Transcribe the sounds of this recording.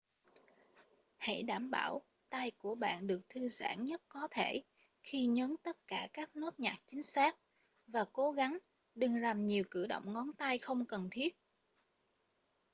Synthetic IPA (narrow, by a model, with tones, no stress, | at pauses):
hḛ˧˥˩jɗaː˧˩mɓaː˧˩w | t̪a˧jku˧˩əɓa̰ː˧˨nɗɨ˨˩ək̚t̪ʰɨ˧za̰ː˧˩nɲə˦˥t̚kɔ˨˦t̪ʰe˧˩ | xi˧ɲə˨˦nt̪ə˦˥t̚kaː˧˩kaː˦˥k̚no˦˥t̚ɲaː˨˩k̚t͡ɕï˨˦ŋ̟saː˦˥k̚ | vaː˨˩ko˨˦ɣa˨˦ŋ | ɗɨ˨˩ŋla˨˩mɲi˨˩əwkɨ˧˩ɗo̰˧˨wŋ͡mŋɔ˨˦nt̪a˧jxə˧wŋ͡mkə˨˩nt̪ʰi˦˥ət̚